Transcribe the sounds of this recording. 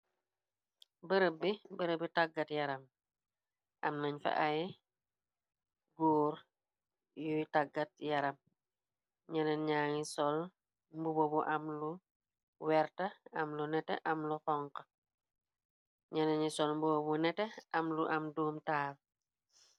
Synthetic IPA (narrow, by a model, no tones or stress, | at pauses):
bəɾəbːibəɾəbitaɡːɐtjɐɾɐm | ʔɐmnaɲfɐ̰ʔa | ɡoːɾ | jutaɡːɐt̚jɐɾɐm | ɲɐnɐnɲaːŋisɔl | mbubobuʔɐmlu | wɛɾtɐɐmlunɛtɛ̰ʔɐmlukɔŋkɐ | ɲɐnɐɲisɔlmbubobunɛtɛɐmluʔɐmdoːmtaːl